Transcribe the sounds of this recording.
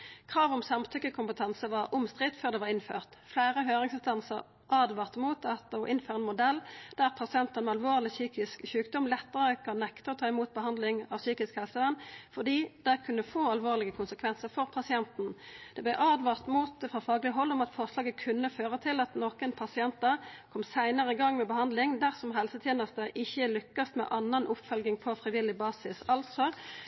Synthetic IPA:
kʰʁɑːʋɔmsɑmt̪ʰʏkːəkʰʊmpət̪ʰɑnsəʋɑʁʊmst̪ʁɪt̪føːʁd̪ɛːʋɑʁɪnføːʁt̪flæːʁəɦøːʁɪŋsɪnst̪ɑnsəʁ | ʔɑːd̪ʋɑːʁt̪muːt̪ɑt̪ɔʔɪnføːʁəɛnmʊd̪ɛlːd̪̥æʁpʰɑsɪɛnt̪ɑnmɛɑlʋoːʁlɪsyːkɪskçʉːkd̪ɔmlɛt̪ːəʁəkʰɑnːɛkt̪əɔt̪ʰɑːɪmuːt̪̚bəɦɑnd̪lɪŋɑʋsyːkɪskhɛlsəʋɛnːfɔʁd̪iːd̪̥ækʰʉnːəfoːɑlʋoːʁlɪɡəkʰʊnsəkʰʋɛnsəʁfɔʁpʰɑsɪɛnt̪n̩d̪̥ɛblɛʔɑːd̪ʋɑʁt̪muːt̪fʁɑfɑːɡlɪəɦɔlːɔmɑt̪fɔʁʂlɑːɡəkʰʉnːəføːʁət̪ʰɪlɑt̪noːkənpʰɑsɪɛnt̪ɑkʰɔmsæɪnəʁəɪɡɑŋːmɛbəhɑnd̪lɪŋd̪æʁsɔmɦɛlsət̪ʰjeːnəst̪əʔɪçːəlʏkːɑst̪mɛ̰ʔɑnːɑnʔʊpːfœlɡɪŋpʰɔfʁɪʋɪlɪbɑːsɪsɑlt̪sɔ

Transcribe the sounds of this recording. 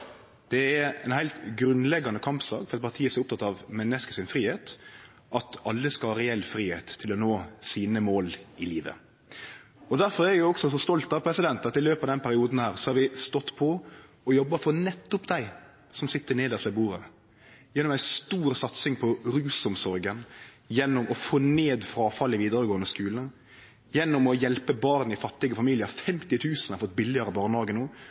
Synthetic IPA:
d̪̥ɛæɛ̰ɪnhæɪlt̪ɡɾʉnlɛɡːɑnəkʰɑmpsɑ̰ːkfɔɾɑt̪̚pɑɾt̪ʰiːəsɛʊp̚t̪ʰɑt̪ːɑʋmɛnːəskəsɪnfɾiːheːt̪ | ʔɑt̪ɑlːəskɑlhɑːɾɛɛlfɾiːhḛːt̪ʰːɪlɔnoːsiːnəmoːlɪliːʋə̰ | ɔd̪æɾfɔɾæɾjʊɔksɔsɔst̪ɔlt̪ɑʋpʰɾɛsɪd̪ɛnt̪ɑt̪ɪløːpɑʋd̪ɛnpʰæɾɪuːd̪n̩hæːɾsɔhɑɾʋɪst̪ɔt̪ːpʰɔ | ɔjɔbːɑfɔɾnɛt̪ːʊpd̪æɪ | sɔmsɪt̪ːəɾneːd̪əɾslɛbuːɾə | jɛnːɔmæɪst̪uːɾsɑt̪sɪŋpʰɔɾʉːsɔmsɔɾɡən | jɛnːɔmɔfoːneːd̪fɾɑːfɑlːɪʋiːd̪əɾəɡoːənəskʉːlən̩ | jɛnːɔmɔjɛlpəbɑɾnɪfɑt̪ːɪɡəfɑmiːlɪəɾfɛmt̪ɪt̪ʰʉːsn̩ɑɾfɔt̪̚bɪlːɪəɾəbɑːɾnd̪ɑːɡənuː

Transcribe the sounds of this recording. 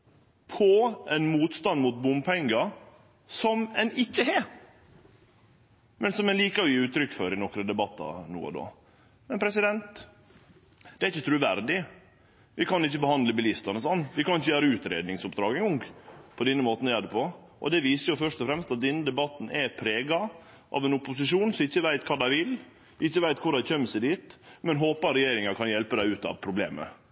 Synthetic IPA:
pʰɔʔɛnmuːt̪st̪ɑnd̪mut̪̚bʊmpʰɛŋɡɑ | sɔmɛnɪçːəɦɛ | mɛnsɔmɛnliːkəɾɔjiːʉːt̪ɾʏkːfɔɾɪnɔkɾəd̪ɛbɑt̪ːɑ̰nṵːə̰d̪o̰ː | mɛnpʰɾɛs̬ɪd̪ɛnt̪ | d̪̥ɛæɾɪçət̪ʰɾʉːʋæɾd̪ɪ | ʋɪkɑnɪçːəbəhɑnd̪ləbɪlɪst̪ɑnəsɔnːʋɪkɑnɪçːəjøːɾəʉːt̪ɾḛːd̪nɪŋsʊpd̪ɾɑːɡɛŋɔŋpʰɔd̪ɛnːəmoːt̪njæːd̪əpʰɔ | ʔɔ̰d̪ɛʋiːsəjʊfœʂt̪ɔfɾɛmst̪ɑt̪̚d̪ɛnːəd̪ɛbɑt̪ːn̩ʔɛ̰ɛt̪̚pʰɾeːɡɑ | ʔɑ̰ʋɛnʊpʊsɪʂuːnsɔmɪçːəʋæɪt̪kʰɑːd̪æɪʋɪl | ɪɪçːəʋæɪt̪kʰʊɖɑɪçœmːəsæɪd̪iːt̪mɛnɦoːpɑɾɛjeːɾɪŋɑɾkʰɑnjɛlpəd̪æɪʉːt̪ɑ̰ʋpʰɾʊblḛːmə̰

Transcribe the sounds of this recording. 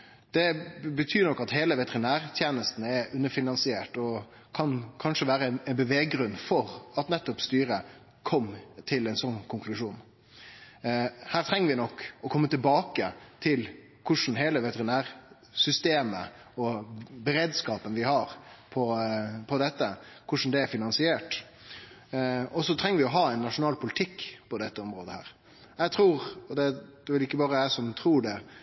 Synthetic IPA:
d̪̥ɛbət̪ʰyːɾnɔkːɑt̪heːləʋɛt̪əʁɪnæːɾt̪ʰjeːnəst̪n̩ɛɾʉnːəɾfɪnɑnsɪeːʈɔ | kʰɑnkʰɑnʂəʋæːɾəɛnɛnbəʋeːɡɾʉnːfɔɾɑt̪nɛt̪ːɔpst̪yːɾə | kʰɔmt̪ʰɪlɛnsɔnːkʰʊŋklʉʂuːn | hæːɾt̪ʰɾɛŋːəɾʋɪnɔkːɔkʰɔmːət̪ɪlbɑːkət̪ʰɪl | kʰʊʂn̩ɦeːləʋɛt̪əɾɪnæːɾ | sʏst̪eːmə̰ | ɔbəɾeːd̪skɑːpənʋɪhɑɾpʰɔpʰɔd̪ɛt̪ːəkʰʊʂn̩d̪ɛæɾfɪnɑnsɪeːʈ | ɔsɔt̪ʰɾɛŋːəɾʋɪɔɦɑːɛɪnːɑʂʊnɑːlpʰʊlɪt̪ʰɪkːpʰɔd̪ɛt̪ːəɔmɾoːd̪əhæ̰ːɾ | jæɪt̪ʰɾuːɾɔd̪ɛd̪̥ɛʋɪlɪkːəbɑːɾəæsɔmt̪ʰɾuːɖɛ

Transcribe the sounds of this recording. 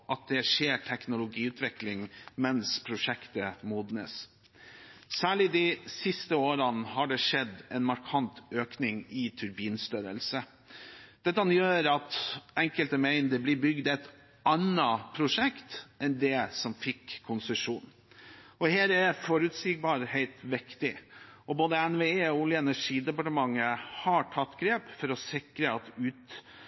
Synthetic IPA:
ʔɑt̪̚d̪ɛʂeːʈʰɛknʊlʊɡiːʉːt̪ʰʋɪklɪŋmɛnspʰɾʊʂɛkt̪əmuːd̪nəs | sæːɭɪd̪ɪsɪst̪əoːɾənɦɑɖɛʂɛd̪ɛnmɑɾkʰɑnt̪øːknɪŋɪt̪ʰʉɾbiːnst̪œɾə̰lsə | d̪̥ɛt̪ːəɑnjøːɾɑt̪ɛŋkəlt̪əmæɪnd̪əblɪbʏɡd̪ɛt̪ | ʔɑnəpʰɾʊʂɛkt̪ɛnd̪ɛsɔmfɪkʰːʊnsəʂuːn | ʔɔheːɾɛfɔɾʉt̪siːɡ̚bɑːɾhæɪlt̪ʋɪkt̪ɪʔɔboːd̪əɛnʋeːeːɔʊljəɛnæʂiːd̪ɛpɑʈəmɑŋːəhɑʈʰɑt̪ːɡɾeːpfɔɾɔsɪkɾəɑt̪ʉːt̪

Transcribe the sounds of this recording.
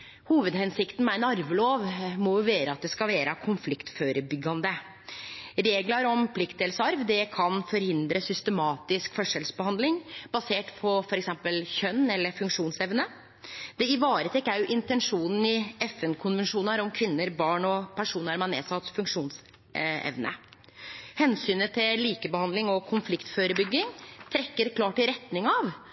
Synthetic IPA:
huːʋəd̪hɛnsɪkt̪n̩mæɾnɑɾʋəloːʋmɔjʊʋeːɾəɑt̪̚d̪ɛskɑlʋeːɾʔəkʰʊnflɪkt̪føːɾəbʏɡːɑnd̪ə | ɾeːɡlɑɾɔmpʰlɪkt̪ɛlsɑɾʋd̪ɛkʰɑnfɔɾhɪnd̪ɾəsʏst̪əmɑːt̪ɪskfɔʂɛlsbəhɑnd̪lɪŋb̥ɑseːʈpʰɔfɔɾɛksɛmpəlçœnːɛlːəɾfʉŋkʂuːnsɛʋnə | d̪̥ɛɪʋɑːɾət̪ʰɛkːæɾʔɪnt̪ɛnʂuːnn̩ɪɛfɛnkʰʊnʋənʂuːnəɾɔmkʰʋɪnːəɾbɑːɳɔpʰæʂuːnəɾmɑnḛːsɑt̪fʉŋkʂuːns | ɛ̰ʋnə̰ | hɛnsyːnət̪ʰɪliːkəbəhɑnd̪lɪŋɔkʰʊnflɪkt̪føːɾəbʏɡːɪŋt̪ʰɾɛkːəɾkʰlɑːʈɪɾɛt̪nɪŋɑʋ

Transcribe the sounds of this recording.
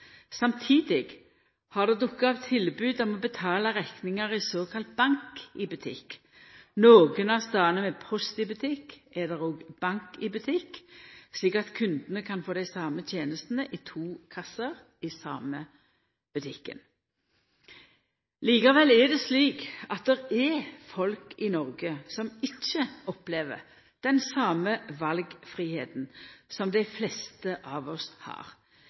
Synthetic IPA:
sɑmt̪ʰiːd̪ɪɡ | hɑʁd̪ɛd̪ʊkːɑɑʋt̪ʰːɪlbʉːd̪ɔmɔbət̪ʰɑːlɑʁɛknɪŋəʁɪsoːkʰɑlt̪̚bɑŋkɪbʉt̪ʰɪ̰k | noːɡənɑst̪ɑːnəmɛpʰɔst̪ɪbʉt̪ʰɪkːʔɛd̪ɛʁoːɡb̥ɑŋkɪbʉt̪ʰɪkːsliːkɑt̪kʰʉnd̪ənəkʰɑnfoːd̪æɪsɑːmət̪ʰjeːnəst̪nəʔɪt̪ʰuːkʰɑsəʁ | ɪsɑːmə | b̥ʉt̪ʰɪkːə̰n | liːkɑʋɛlɛd̪ɛsliːkɑt̪̚d̪ɛʁɛfɔlkɪnɔʁɡəsɔmɪt͡ʃːəʔɔpleːʋə̰ʁ | d̪̥ɛnsɑːməʋɑlɡfʁihḛːt̪n̩sɔmd̪æɪflɛst̪əʔɑːʋɔshɑ̰ːʁ

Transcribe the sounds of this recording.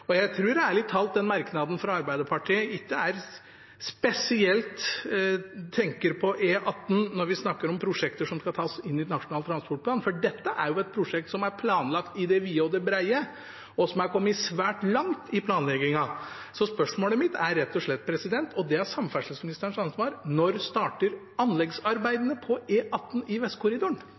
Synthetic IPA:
ɔjæɪt̪ʰɾuːɾɛæɾɭɪt̪ʰːɑlt̪̚d̪ɛnmɑɾknɑd̪n̩fɾɑɑɾbæɪd̪əɾpʰɑʈʰiːəɪkːəæɾ | spɛsɪɛlt̪ | t̪ʰɛŋkəɾpʰɔʔeʔɑt̪ːn̩nɔɾʋɪsnɑkːəɾɔmpʰɾʊʂɛkt̪əʂɔmskɑt̪ʰɑːsɪnːɪnɑʂʊnɑːlət̪ɾɑnspɔʈ̚pʰlɑːnfɔɖɛt̪ːəʔæɾjʊɛt̪̚pʰɾʊʂɛk̚t̪sɔmæɾpʰlɑːnlɑkt̪ɪd̪ɛʋiːɔd̪ɛbɾæɪə | ɔsɔmæɾkʰɔmːɪsʋæːʈlɑŋt̪ɪpʰlɑːnlɛɡɪŋɑ | sɔspœʂmoːləmɪt̪ʰæɾːɛt̪ːɔʂɭɛt̪̚ːpʰɾɛsɪd̪ɛnt̪ʰɔd̪ɛæɾsɑmfæʂəsmɪnɪst̪əɾəɳʂɑnsʋɑːɾnɔɾst̪ɑːʈəɾ | ɑnlɛɡsɑɾbæɪd̪ənəpʰɔeːʔɑt̪ːn̩ʔɪʋɛst̪kʰʊɾɪd̪ʊɳ

